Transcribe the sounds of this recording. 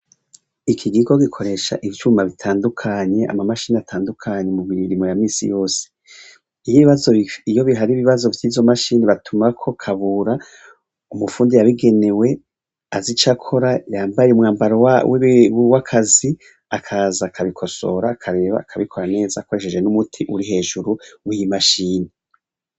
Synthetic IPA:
ikʰiɡiɡo̞ɡikʰo̞ɾe̞ʃa̰ʔivjumaβitʰaːndukʰaːɲe̞ʔa̰mamaʃiːniatʰaːndukʰaɲe̞mumiiɾimojamiːsḭjo̞ːse̥ | ijiβiβazo̞ijo̞βiɦaɾiβiβazo̞vjiːvzo̞maʃiːniβatʰumakʰo̞kʰaβuːɾa | umufuːndijaβiɡe̞ne̞we̞ | azit͡ʃakʰo̞ɾajaːmbajeumŋaːmbaɾowawewakʰazi | akʰaːzaːkʰaβikʰo̞so̞̰ɾaːkʰaɾe̞ːβa̰kʰaβikʰo̞ɾane̞ːzaːko̞ɾe̞ʃe̞d͡ʒenumutʰiʔṵɾiɦe̞ːʒuɾuwijimaʃiːne

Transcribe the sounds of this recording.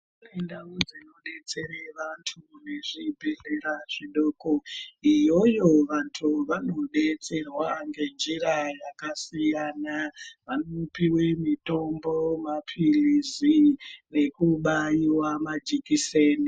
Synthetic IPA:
unendaud͡zenoɗe̞t͡se̞ɾeʋantʰune̞ʐibʱe̞ɮeɾaʐ̥iɗoːkoijo̞jo̞ʋantʰuʋano̞ɗe̞t͡se̞rwaŋɡe̞nd͡ʒiɾajakasijanaʋanopiwemito̞mbo̞mapʰilizine̞kuɓajiwamad͡ʒikiseːni

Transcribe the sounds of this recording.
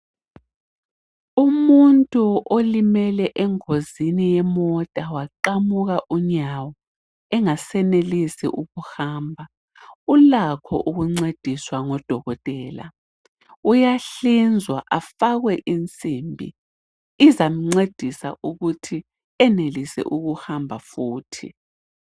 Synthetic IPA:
umuntʼuʔolimɛlɛʔɛŋozinijɛmɔtʼawaǃamuɣaʔuɲawɔ | ɛŋasɛnelisḭʔuɣuhaːmbʱa | ulakʰɔ̰ʔuɣuŋ͡ǀed̥ʱiswaŋɔd̥ʱɔɣɔtʼɛːla̰ | ujaɬind͡zʱwaʔafaɣwɛʔint͡sʼimbʱḭː | zam̩ŋ͡ǀed̥ʱisa̰ʔuɣutʰi | ɛnelisɛ̰ʔuɣuhambʱafuːtʰḭ

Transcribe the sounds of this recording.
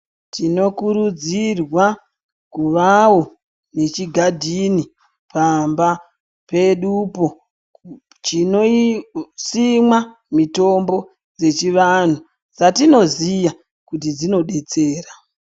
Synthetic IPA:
tʰino̞kuɾud͡zirwa | kuʋawo̞ | ne̞t͡ʃiɡʱadʱini | pamba | pe̞ɗupo̞ | t͡ʃino | simwa | mito̞mbo̞ | d͡ze̞t͡ʃiʋan̤u | d͡zatino̞zija | kut̬id͡zino̞ɗe̞t͡seːra

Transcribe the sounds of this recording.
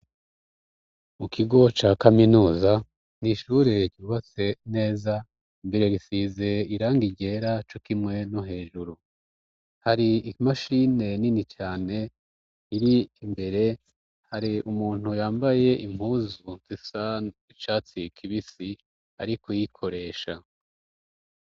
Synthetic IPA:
mukʰiɡo̞t͡ʃaːkaminuːza | niʃuːɾeɟiuβat͡se̞ne̞ːza | mbiɾeɡisize̞iɾaːŋɡiɟe̞ːɾat͡ʃokimŋe̞noɦe̞ːʒuɾu | haɾiimaʃine̞ninit͡ʃaːne̞ | iɾiːmbe̞ɾe̞ | haɾiʔumuːn̥hujaːmbaje̞ʔim̥huːzuzisait͡ʃaːt͡sikʰiβisi | a̰ɾikʰojikʰo̞ɾe̞ːʃa

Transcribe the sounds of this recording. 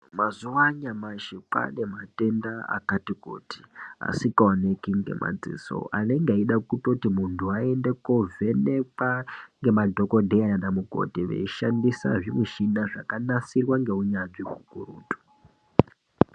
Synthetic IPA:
mazuʋaɲamaʃipa̰ne̞mate̞ndaa̰katikṵːti̥a̰sikaonekiŋɡe̞̰mʔa̰d͡zḭːso̰a̰ne̞ŋɡaiɗakutotimuntʰuae̞ndekove̞ne̞kaŋɡe̞madʱo̞ko̞dʱeajanamuko̰tiʋḛiʃandisa̰ʐimweʃinaʐakanasirwaŋɡe̞uɲaʐiɦukuruːtu̥

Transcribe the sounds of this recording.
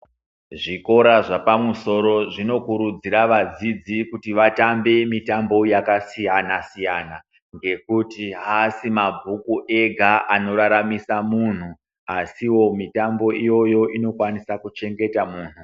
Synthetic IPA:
ʐiko̞ɾaʐapamuso̞ɾo̞ʐino̞kuɾud͡ziɾaʋad͡zid͡zikutiʋatambe̞mitambo̞jakasijanasijana | ŋɡe̞kutiɦasimabʱukuʔeɡʱaʔano̞ɾaɾamisamun̤u | asiwo̞mitambo̞ijo̞jo̞ʔino̞kwanisakut͡ʃe̞ŋɡe̞tamuːn̤u

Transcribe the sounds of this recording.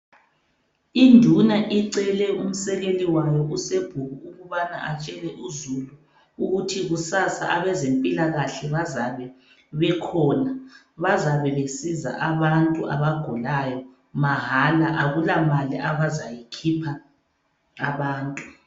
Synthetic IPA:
indʱunaʔiǀɛlɛum̩sɛɣeliwajɔʔuseb̥ʱuɣuuɣuβana̰ʔat͡ʃʼɛlɛʔuzulu | uɣutʰiɣusasa̰ʔaβɛzempʼilaɣaɬɛβazaβɛ | βɛkʰɔna | βazaβɛβesiza̰ʔaβantʼuʔa̰βaɡ̥ʱɔlajɔ | maɦalaʔaɣulamaliʔaβazajikʰipʰaː | βaːntʼu

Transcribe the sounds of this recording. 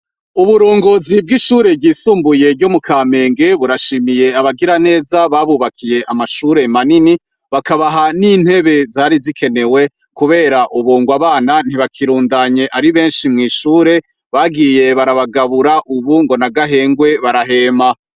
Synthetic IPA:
uβuɾuːŋɡoːzib̚ɡiʃuːɾe̞bɡiːsuːmbuje̞ɾɟomukʰaːme̞ːŋɡe̞βuɾaʃiːmije̞aβaɡiɾane̞ːzaβaβuβakʰije̞ʔamaʃuːɾe̞manini | βakaβaɦaniːn̥he̞βe̞zaːɾizikʰe̞ne̞we̞ | kuβe̞ːɾaʔuβuːŋɡwaβaːnan̥iβakʰiɾuːndaɲe̞ʔaɾiβeːnʃimŋiːʃuːɾe̞ | βaɡije̞βaɾaβaɡaβuɾaʔuβuŋɡo̞naɡaɦe̞ːŋɡwe̞βaɾaɦe̞ːma

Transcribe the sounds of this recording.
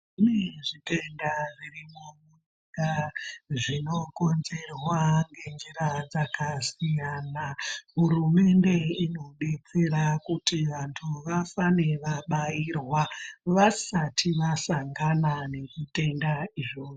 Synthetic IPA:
ineʐite̞ndaʐirimumu | ɡaʐino̞ko̞nze̞rwaŋɡe̞nd͡ʒiɾad͡zakasijanaɦurume̞nde̞ino̞ɗet͡seɾakutiʋantʰuʋafane̞ʋaɓairwaʋasatʰiʋasaŋɡanane̞ʐite̞ndaiʐoː

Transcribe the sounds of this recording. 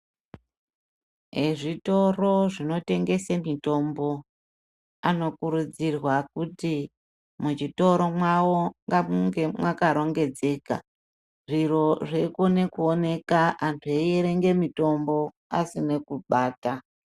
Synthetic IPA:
ɦeʐito̞ro̞ʐino̞te̞ŋɡe̞semito̞mbo̞ | ano̞kuɾud͡zirwakuti | mut͡ʃito̞ɾo̞mwawoŋɡamuŋɡemwakaɾo̞ŋɡe̞d͡ze̞ːka̰ | ʐiro̞ʐekone̞kuone̞kaantʰueeɾe̞ŋɡe̞mito̞mbo̞ | a̰sine̞kuɓaːta

